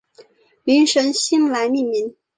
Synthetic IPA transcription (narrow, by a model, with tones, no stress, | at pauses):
li˧˥nʂə˧˥nɕi˥nla˧˥ɪni˥˩mi˧˥n